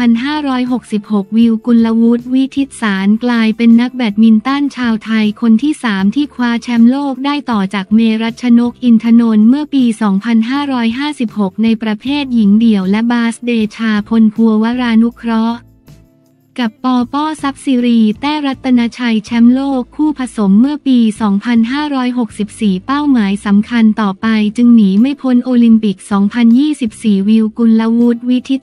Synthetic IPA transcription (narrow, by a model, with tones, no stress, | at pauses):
a˧nɦaː˥˩ɾɔː˦˥jɦo˨˩k̚si˨˩p̚ho˨˩k̚wi˧wku˧nla˧wu˦˥t̪̚wi˦˥t̪ʰi˦˥t̪̚saː˩˦nklaː˧jpe˧nːa˦˥k̚bɛː˨˩t̪̚mi˧nt̪a˥˩nt͡ɕʰaː˧wt̪ʰa˧jkʰo˧nt̪ʰiː˥˩saː˩˦mt̪ʰiː˥˩kʰwaː˦˥t͡ɕʰɛ˦˥mloː˥˩k̚daː˥˩jt̪ɔː˨˩t͡ɕaː˨˩k̚meː˧ɾa˦˥t̪̚t͡ɕʰa˧no˦˥k̚ʔi˧nt̪ʰa˧no˧nmɯ˥˩ɐpiː˧sɔː˩˦ŋpʰa˧nɦaː˥˩ɾɔː˦˥jɦaː˥˩si˨˩p̚ho˨˩k̚na˧jpɾa˧pʰeː˥˩t̪̚ji˩˦ŋdi˨˩əwlɛ˦˥baː˦˥sdeː˧t͡ɕʰaː˧pʰo˧npʰu˧ɐwa˦˥ɾaː˧nu˦˥kʰɾɔ˦˥ʔ | ka˨˩pːɔː˧pɔː˥˩sa˦˥p̚siː˧ɾiː˧t̪ɛː˥˩ɾa˦˥t̪ʰːa˧na˦˥t͡ɕʰa˧jt͡ɕʰɛ˦˥mloː˥˩kʰːuː˥˩pʰa˧so˩˦mːɯ˥˩ɐpiː˧sɔː˩˦ŋpʰa˧nɦaː˥˩ɾɔː˦˥jɦo˨˩k̚si˨˩p̚siː˨˩pa˥˩wmaː˩˦jsa˩˦mkʰa˧nt̪ɔː˨˩pa˧jt͡ɕɯ˧ŋniː˩˦ma˥˩jpʰo˧˥nʔoː˧li˧mpi˨˩k̚sɔː˩˦ŋpʰa˧njiː˥˩si˨˩p̚siː˨˩wi˧wku˧nla˧˥wu˦˥t̪̚wi˦˥t̪ʰi˦˥